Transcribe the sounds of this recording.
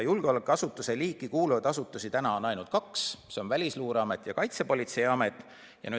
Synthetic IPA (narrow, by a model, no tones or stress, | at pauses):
julɡ̥eolekːˑɑsut̪ːˑuse̞liːkːˑikuːluvɑd̪̥ɑsut̪ːˑusit̪ænɑonɑjnult̪̚kɑksse̞o̞nvælʲisluːɾeɑmet̪ːˑjɑkɑjt̪se̞po̞lʲit̪se̞jɑmet̪ːˑ | jɑ̰nyː